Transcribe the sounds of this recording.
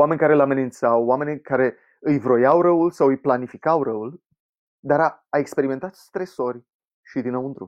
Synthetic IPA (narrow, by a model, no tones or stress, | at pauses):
wame̞nʲkaɾeɨlame̞nint̪sawame̞nʲkaɾe̞ | ɨjvɾo̞jawɾəulsawɨjplanifikawrəul | d̪aɾa | aekspe̞ɾime̞nt̪at̪st̪ɾeso̞rʲ | ʃid̪inowund̪ɾṵb